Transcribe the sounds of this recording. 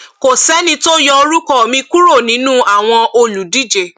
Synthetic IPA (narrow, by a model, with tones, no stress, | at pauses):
ko˨sɛ˦nĩ˧to˦jɔ˧o˧ɾu˦kɔ˦˨mĩ˧ku˦ɾo˦˨nĩ˨˦nũ˦a˦˨w̃ɔ̃˧ʔo˧lu˨di˦d͡ʒe˨